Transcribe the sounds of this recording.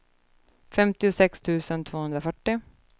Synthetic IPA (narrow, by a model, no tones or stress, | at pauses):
fɛmt̪ɪʊsɛkst̪ʰʉ̟ːsənt̪ʰvoːhɵnɾafœʈːɪ